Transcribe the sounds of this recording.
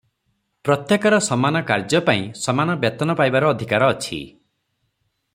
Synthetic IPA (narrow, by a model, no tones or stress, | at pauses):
pɾɔt̪jekɔɾɔsɔmanɔkaɾd͡ʒɔpãĩsɔmanɔbjɔt̪ɔnɔpajbaɾɔːd̪ʱikaɾɔːt͡ʃʰḭ